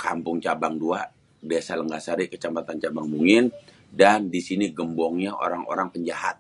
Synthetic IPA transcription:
ka̰mpʊŋt͡ʃabaŋdua | desaləŋɡasaɾikət͡ʃampat̪ant͡ʃabaŋmuŋɪn | dandisiniɡəmbɔŋɲaʔo̰ɾaŋo̰ɾaŋpəɲd͡ʒahat̪̚

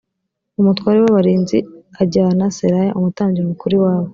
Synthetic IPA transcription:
umutwaːɾewaβaɾiːnziaɟanaseɾajaʔumutaːɲɟiɾenukuɾiwaːβo

